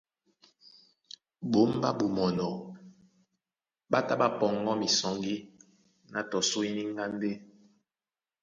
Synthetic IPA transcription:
bo˨˦m˦ba˦bu˨mɔ˨nɔ˨ | ba˦ta˦ba˦pɔ˨ŋ˦ɡɔ˦mi˨sɔ˨ŋɡi˦ | na˨tɔ˨so˦i˦ni˦ŋ˦ɡa˦mbe˦

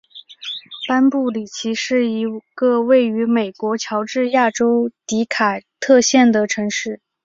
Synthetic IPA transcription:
pa˥npu˥˩li˨˩t͡ɕʰi˧˥ʂɻ̩˥˩i˧˥ɡ̥ə˧we˥˩ɪy˧˥me˨˩ɪkwɔ˧˥t͡ɕʰjɑ˧˥ʊʈ͡ʂɻ̩˥˧ja˥˩ʈ͡ʂo˥ʊt̪i˧˥kʰa˨˩t̪ʰɤ˥˧ɕjɛ˥˩nd̪ə˩ʈ͡ʂʰɤ˧˥ŋʂɻ̩˥˩

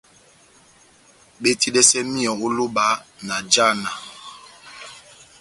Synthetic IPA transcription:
ɓe˦ti˦lɛ˦sɛ˦mi˦ɔ˨u˦lu˦ba˦na˨d͡ʒa˦˨na˨

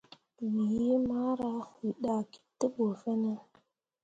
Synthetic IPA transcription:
wi˨ji˦ma˦ɾa˦xi˨ɗa˨ki̥˦tːə˦ɓo˨fe˦nə˦

